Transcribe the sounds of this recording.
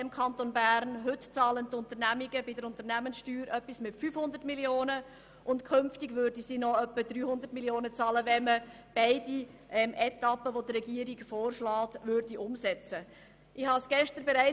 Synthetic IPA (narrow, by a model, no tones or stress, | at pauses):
ɪmkʰɑnt̪onbæɾnɦɵtt͡sɑːləntʊntəɾnæmiɡəbɪdəɾʊntəɾnæmənsʃtyːɾʔœpːismɪtfyfhʊndərtmiljoːnə | ʔʊntkʰɵmftiɡʋøːɾdisiːnɔœpːədryːhʊnd̪əɾtmiljoːnət͡sɑːləvɛmə | b̥ɛɪdi | ʔɛmʔɛtɑpːəʋodɾɛɡiəɾiɡfoːrʃlɑːtvʏɾdiʔʊmsɛt͡sə | ʔɪhɑsɡ̥ɛʃtəɾbɛɾæɪ